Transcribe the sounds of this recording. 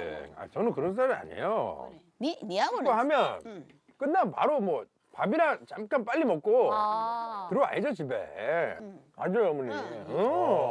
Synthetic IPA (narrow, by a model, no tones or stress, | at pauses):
a̰t͡ɕʌnɯnkɯɾʌns̬͈aɾia̰ɲḛjo | oɦamjʌn | k͈ɯnːanpa̰ɾomwʌ | pabiɾat͡ɕamk͈anp͈aʎːimʌk͈o | tɯɾoa̰ɦed͡ʑʌt͡ɕibḛ | a̰d͡ʑojomuɲiʌ